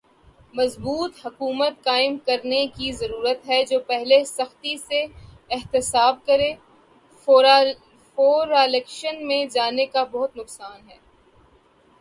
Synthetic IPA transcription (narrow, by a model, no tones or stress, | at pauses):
mɐzbuːt̪ɦɐkuːmət̪kaːɪmkɐɾnekizɐɾuːɾət̪ɦɛd͡ʒoːpɛɦlesɐxt̪ise | ɪɦt̪ɪsaːb̚kɐɾeː | foːɾ | foːɾalɛkʃənmẽd͡ʒaːnekabɐɦʊt̪nʊqsaːnɦɛː